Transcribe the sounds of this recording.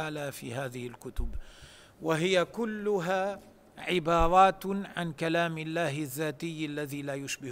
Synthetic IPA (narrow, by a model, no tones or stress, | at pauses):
aːlaːfḭːɦaːðɪhɪlkʊt̪ʊb | waɦɪjakʊlːʊɦaː | ʕɪbɑːɾˤɑːt̪ʕankalaːmɪlːaːɦɪðːaːt̪ɪjːalːaðiːlaːjʊʃbɪ